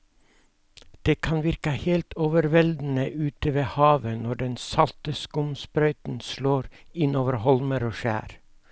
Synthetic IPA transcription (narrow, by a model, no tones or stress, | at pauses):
d̪̥eːkʰɑnʋɪɾkəheːlt̪ʰoːʋəɾʋɛld̪n̩əʔʉːt̪əʋeːhɑːʋənɔɖɛnsɑlt̪əskʊmspɾœʏt̪n̩sloːɾɪnoːʋəɾhɔlməɾoːʃæ̰ːɾ